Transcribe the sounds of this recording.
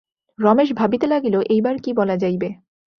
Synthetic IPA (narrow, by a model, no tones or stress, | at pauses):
ɾɔmeʃ̬bʱabit̪elaɡiloʔejbaɾkibɔlad͡ʑajbe